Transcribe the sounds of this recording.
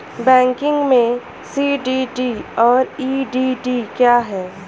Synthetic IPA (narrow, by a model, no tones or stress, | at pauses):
bɛ̃ːŋkɪ̃ŋɡmẽ | siːɖiɖiɔːɾiːɖiːɖiːkjaːɦɛː